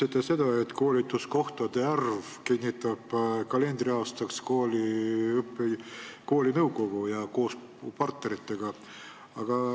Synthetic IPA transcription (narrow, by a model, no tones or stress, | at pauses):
set̪ːˑese̞d̪̥ɑe̞t̪ːˑko̞ːlʲit̪ːˑusko̞ht̪ɑd̪e̞ɑrv | kinʲːit̪ːˑɑb̥kɑle̞nd̪̥riɑːst̪ɑkskoːliɯpːeko̞ːlʲinɤwɡo̞ɡ̥ujɑko̞ːs | pɑrt̪ne̞ɾit̪ˑːe̞ɡ̥ɑ | ɑɡ̥ɑ